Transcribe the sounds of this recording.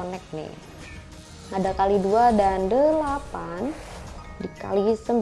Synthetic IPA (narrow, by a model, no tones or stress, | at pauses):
nɛk̚nɪ̰ | ŋadakaliduadandəlapan | dika̰lisəmb